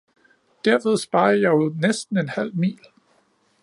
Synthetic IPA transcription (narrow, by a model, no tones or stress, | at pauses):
d̥æɐ̰ʋe̝ð̞ˠsb̥ɑ̈ɪɐjɑ̈ɪnesd̥n̩e̝nhæl̰mḭːl